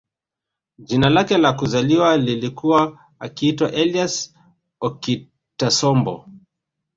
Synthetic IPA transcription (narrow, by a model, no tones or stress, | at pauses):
d͡ʒinalakɛlakuzaliwalilikuwaː | kiitwaʔɛlias | ɔki | tasɔmbɔ̰